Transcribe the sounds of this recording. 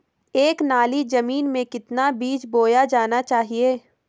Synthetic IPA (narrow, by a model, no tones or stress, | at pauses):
eːknaːlid͡ʒɐmiːnmẽkɪt̪nabiːt͡ʃboːjad͡ʒaːnat͡ʃaːɦieː